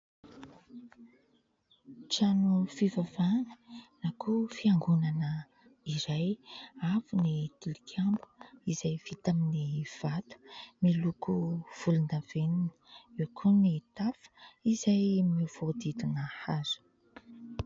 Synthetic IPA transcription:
t͡ʃanufivavanənakʰufiaŋɡunanə | iɾajafunit̪ilikʲʰambu̥izajv̥it̪aminiv̥at̪u̥milukuv̥ulund̪av̥eninəekʰunit̪afə̥izajmivod̪id̪unəhaz̥u̥

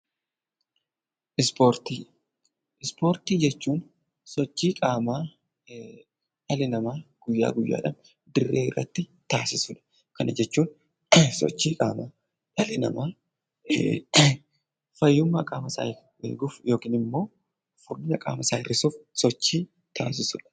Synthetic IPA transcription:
ʔɪspoɾt̪iː | ɪspo̞ːɾt̪iːd͡ʒɛt͡ʃːuːn | sɔt͡ʃːiːkʼaːmaː | ᶑɐlɪnɐmaːɡ̥ʊjːa̰ːɡʊjːa̰ːᶑɐm | d̪ɪrːeːɪrːɐ̰t̪ːɪt̪aːsɪsʊᶑɐ̥ | kɐnɐd͡ʒɛt͡ʃːuːn | sɔ̰t͡ʃːiːkʼaːmaː | ɐlɪnɐ̰maː | fɐjːʊmːɐkʼaːmɐsa̰ː | ḛːɡʊfjo̞ːkiːnɪmːo̞ː | fʊɾɪnɐkʼa̰ːmɐsaːɪrːɪsuːfsɔt͡ʃːiː | t̪ʰaːs̬ɪsʊᶑɐ̥

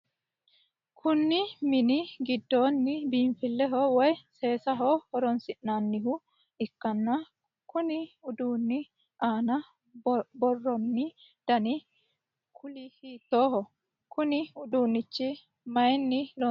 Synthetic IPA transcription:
kʰʊnːɪmɪnɪɡɪd̪ːoːnːɪbiːmfɪlːɛɦɔwɔjse̞ːsɐɦɔhɔɾɔnsɪʔnaːnːɪɦʊ | ɪkːɐnːɐ | kʊnɪʊd̪uːnːɪ | ʔaːnɐ | bɔrːɔnːɪ | d̪̥ɐnɪ | kʰʊlɪhiːt̪ːoːɦɔ | kʊnɪʊd̪uːnːɪt͡ʃːɪ | mɐjnːɪlɔ

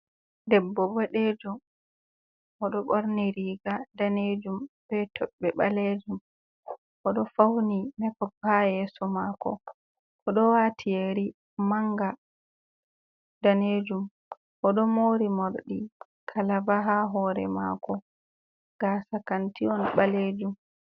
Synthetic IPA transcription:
dɛbːɔbaɗed͡ʒu | ʔɔɗɔɓoɾniɾiːɡadaned͡ʒumb̥ɛtʰɔɓːɛɓaled͡ʒum | ʔɔɗɔfawnimɛkɔbajɛːsɔmakɔ̰ | ʔɔɗɔwatʰijeɾi | maŋɡa | daneːd͡ʒum | ʔɔɗɔmoɾimoɾɗi | kʰalabaɦaɦɔɾɛ̰ma̰kɔ | ɡ̥asakantiɔnɓaleːd͡ʒum

